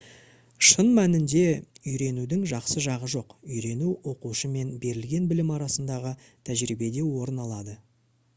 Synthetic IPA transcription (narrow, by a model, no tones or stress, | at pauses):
ʃənmænɪnd̪e̞ʏjɾe̞nud̪ɪŋʒɑqsəʒɑʁəʒo̞qʏjɾe̞nuwo̞quʃəme̞nbe̞ɾɪlɡʲe̞nbɪlɪmɑɾɑsənd̪ɑʁət̪ʰæʒɾibe̞d̪e̞wo̞ɾənɑlˠɑd̪ə